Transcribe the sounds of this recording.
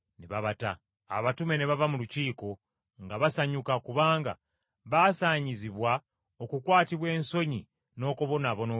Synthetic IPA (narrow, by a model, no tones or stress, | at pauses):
neβaβata̰ː | βatume̞neβavamuluciːko̞ | ŋɡaβasaɲukakuβaːŋɡa̰ | βasaːɲiziβwa | okukwaːtiβwe̞ːnso̞ɲi | no̞ːkoβo̞naβo̞no